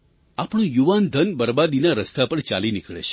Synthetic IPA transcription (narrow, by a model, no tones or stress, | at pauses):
apɳ̃ũjuʋand̪ʱənbəɾbad̪inaɾəst̪apəɳt͡ʃa̰linɪkɭḛt͡ʃʰe̥